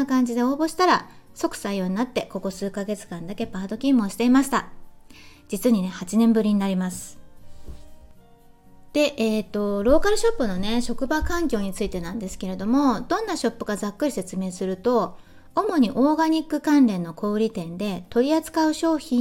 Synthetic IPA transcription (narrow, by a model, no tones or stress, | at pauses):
akãɲ̟d͡ʑid̪e̞o̞ːbo̞ɕi̥t̪aɾaso̞kɯ̟̥saio̞ːɲ̟inat̪ːe̞ko̞ko̞sɨːkaɡe̞t͡sɨ̥kãnd̪ake̞paːd̪o̞kʲĩmːo̞ːɕi̥t̪e̞imaɕi̥t̪a | d͡ʑit͡sɨɲ̟ine̞hat͡ɕinẽ̞mbɯ̟ɾʲiɲ̟inaɾʲimasɨ̥ | d̪̥e̞ʔeːt̪ːo̞ɾo̞ːkaɾɯ̟ɕo̞pːɯ̟no̞ne̞ɕo̞kɯ̟bakãŋkʲo̞ːɲ̟it͡sɨit̪e̞nãnd̪e̞sɨ̥ke̞ɾe̞d̪o̞mo̞d̪õ̞nːaɕo̞pːɯ̟ɡazakːɯ̟ɾise̞t͡sɨme̞ːsɨɾɯ̟t̪o̞ː | mo̞ɲ̟iʔo̞ːɡaɲ̟ikːɯ̟kãnɾẽ̞nːo̞kʰo̞ːɾʲit̪ẽ̞nd̪e̞t̪o̞ɾʲiat͡sɨ̥kaɯ̟ɕo̞ːçĩ